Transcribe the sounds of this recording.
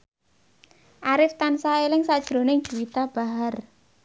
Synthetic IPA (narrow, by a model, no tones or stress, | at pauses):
ʔaɾɪft̪ansaelɪŋsad̥ʒ̥ɾo̤nɪŋ̥ʒ̥uwit̪ab̥a̤ɦar